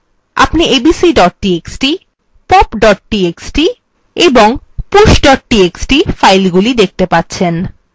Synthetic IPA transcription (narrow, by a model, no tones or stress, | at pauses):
a̰pniebisiɖɔʈ̚ʈieksʈi | pɔpɖɔʈ̚ʈieksʈi | eboŋ | puʃɖɔʈʈieksʈifajlɡulid̪ek̚t̪epatːɕʰen